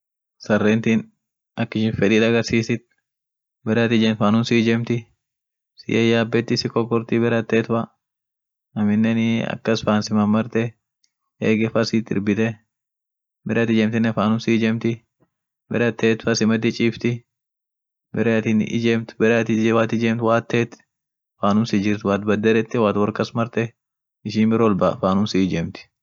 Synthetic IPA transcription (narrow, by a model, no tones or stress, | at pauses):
sɐrːeːnt̪iːn | ɐkːɪʃɪnfɛᶑ̪iːt̪ɐɡɐɾsiːsɪt̪̚ | bɛɾt̪ɪd͡ʒɛnfaːnʊnsiːd͡ʒɛmt̪ɪ | sɪ̰jɐjaːbːɛt̪ːɪsɪkɔkːɔɾt̪ɪbɛɾɐt̪ːeːt̪fɐ | ɐmɪnːɛnɪɐ̰kːɐsfaːnsɪmɐmːɐɾt̪ɛ | eːɡɛfɐsit̪ːɪ̰ɾbɪt̪ɛ | bɛɾt̪ɪd͡ʒɛmt̪ɪnːɛfaːnʊmsiːd͡ʒɛmt̪ɪ | bɛɾɐt̪ːeːt̪fɐsɪmɐt̪ːɪt͡ʃʼiːft̪ɪ | bɛɾɛɐt̪ɪnʔɪ̰d͡ʒɛmt̪bɛɾɛt̪ɪwaːt̪ɪd͡ʒɛːmt̪waːt̪ːeːt̪ | faːnʊmsɪd͡ʒɪɾt̪waːt̪bɐd̪ːɐd̪ɛt̪ːɪwaːt̪wɐɾkɐsmɐɾt̪ɛ | ɪʃiːnbɪɾolbafaːnʊmsiːd͡ʒɛmt̪ɪ̥